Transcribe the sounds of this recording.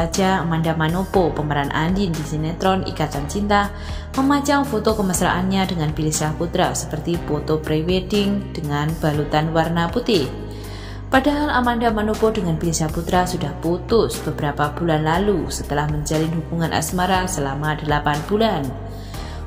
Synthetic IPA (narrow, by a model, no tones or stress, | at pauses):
ad͡ʒaamandamanopopəməɾanʔa̰ndɪndisinet̪ɾɔnḭkat̪ant͡ʃint̪ah | məmat͡ʃamfot̪okəməsɾa̰ʔanɲadəŋanpilisaput̪ɾasəpərt̪ifot̪opɾewedɪŋd̥əŋanb̥a̤lut̪anwarnaput̪ɪh | padaɦalamandamanopodəŋanpilisaput̪ɾasudahput̪ʊsb̥əbəɾapab̥ulanlalusət̪əlahməɲd͡ʒalɪnɦubuŋanʔa̰smaɾasəlamadəlapanb̥ulan